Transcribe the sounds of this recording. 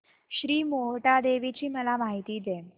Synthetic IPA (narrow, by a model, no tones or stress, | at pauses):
ɕɾiːmoɦʈad̪eʋit͡ɕiːməlamaɦit̪iːd̪e